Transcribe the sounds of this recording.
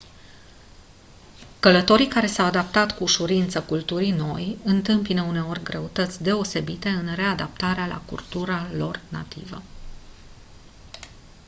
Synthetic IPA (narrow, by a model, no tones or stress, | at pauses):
kələt̪o̞ɾikaɾe̞sawad̪ap̚t̪at̪kuːʃuɾint̪səkult̪uɾino̞jɨnt̪ɨmpinəune̞orʲɡɾe̞ut̪ət̪sʲd̪e̞o̞se̞bit̪e̞ɨnre̞ad̪ap̚t̪aɾealʔa̰kṵrt̪uɾalo̞rna̰t̪ḭvə̰